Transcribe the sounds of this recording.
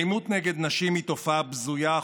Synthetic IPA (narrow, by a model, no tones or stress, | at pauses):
jmut̪neɡed̪naʃimhit̪o̞fabzuja